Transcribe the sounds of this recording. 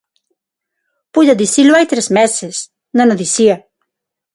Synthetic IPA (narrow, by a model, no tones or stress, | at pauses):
pujd̪ad̪isilʲuvajt̪ɾɛsmɛsɛs | nanad̪isia